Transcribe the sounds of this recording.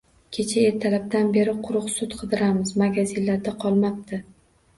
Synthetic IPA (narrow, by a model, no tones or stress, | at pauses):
kʲʰe̞t͡ʃʰae̞ɾt̪ʰalab̚d̪anbe̞ɾɪqʰʊɾʊqsʊt̪qʰɨd̪ɪɾamɪzmaɡʲazinlːaɾd̪aqʰɒlˠmap̚t̪ʰɪ